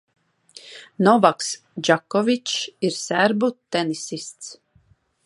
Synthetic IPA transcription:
nɔvaks | d͡ʒakːɔvit͡ʃiɾsæɾbut̪ɛnisist̪s

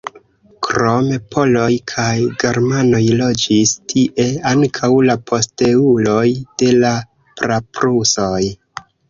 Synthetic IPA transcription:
kɾo̞me̞pʰo̞lo̞jkʰajɡe̞ɾmano̞jlo̞d͡ʒistʰiʔe̞aŋkʰawlapʰo̞ste̞ulo̞jd̥e̞la | pɾapɾuso̞j

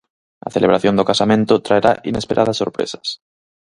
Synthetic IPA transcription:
a̰θeleβ̞ɾaθjond̪okasamẽnt̪ot̪ɾaeɾaʔine̞speɾʔaðasːoɾpɾḛsḁs

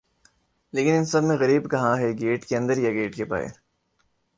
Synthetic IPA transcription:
leːkɪnɪnsɐbmẽɣɐɾiːbkɐɦãɦɛɡeːʈkeɐ̃nd̪əɾjaɡeːʈkepa̰ːḛː

